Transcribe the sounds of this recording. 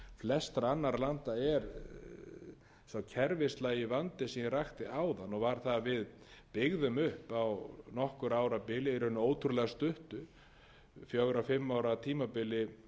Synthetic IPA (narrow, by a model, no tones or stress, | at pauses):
flɛst̪ɾaanːaɾlant̪aɛɾ | sawcʰɛɾvɪst̪lajɪvant̪ɪsinraxt̪ɪaːwðanːɔɣvaɾ̥θavɪð | pɪɣðʏmʏhpawnɔhkʏɾaːwɾapɪlɪɛɾhʏnːʏoːwt̪ʰʏɾlɛɣast̪ʏht̪ʏ | fjɔɣɾafɪmːaːwɾat̪ʰiːmapɪlːɪ